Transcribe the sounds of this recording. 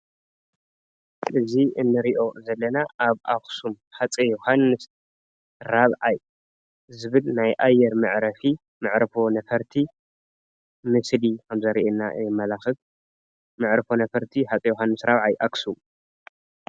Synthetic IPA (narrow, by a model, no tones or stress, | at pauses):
ʔɨziɨnːɨɾiʔo̞zɐlːɐnaʔaβʔaksum | ħat͡sʼijohanːɨs | ɾaβʕaj | zɨβɨlnajʔajːɛɾmɨʕɾɐfi | mɨʕɾfo̞nɐfɐɾt̪ʰi | mɨslikʰɐmzɐɾiʔenːa̰jɛmːɐlaxɨf | mɨʕɾɨfo̞nɐfɐɾt̪ʰiħat͡sʼijuhanːɨsɾaβʕajʔaksum